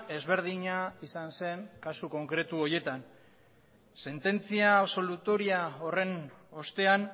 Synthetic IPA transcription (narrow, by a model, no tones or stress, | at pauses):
e̞zβe̞ɾð̞iɲaisanse̞ŋkasuko̞ŋkɾe̞t̪uo̞je̞t̪an | se̞nt̪e̞nt͡siaːβso̞lut̪o̞ɾiao̞re̞no̞st̪e̞an